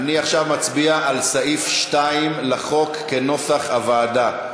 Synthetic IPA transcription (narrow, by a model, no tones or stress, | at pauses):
aniaχʃavmat͡sbiaʔalsaʔifʃtaimleχo̞kːeno̞saχavaːda